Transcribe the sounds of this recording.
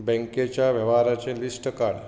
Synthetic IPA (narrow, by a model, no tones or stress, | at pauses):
bɛ̃ŋket͡ʃaʋəʋaɾat͡ʃelisʈəkaɽ